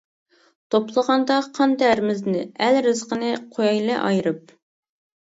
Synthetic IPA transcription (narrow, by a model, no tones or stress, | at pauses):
t̪ʰoplˠəʁɑnd̪ɑqʰɑnd̪ɛːɾmɪznɪælɾɨzqənɨqʰojɑjlˠɨʔɑ̰jɾɨp̚